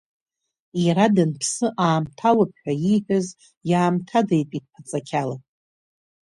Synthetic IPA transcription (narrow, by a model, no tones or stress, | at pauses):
iradɨnpʰsɨʔaːmtʰalap̚ʰħʷᶣaiħʷᶣaz | jaːmtʰadajpʼid̚pʰat͡sʼakʲʰala